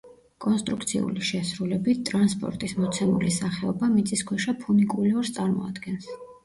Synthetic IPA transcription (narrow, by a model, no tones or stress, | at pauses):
kʼɔnst̪ʼɾukʰt̪sʰḭṵliʃɛsɾulɛbit̪̚t̪ʼɾanspʼɔ̰ɾt̪ʼismɔt̪sʰɛmṵlisaχɛɔbamit̪sʼiskʰwɛʃapʰunikʼuliɔɾst̪sʼaɾmɔ̰a̰d̪ɡɛns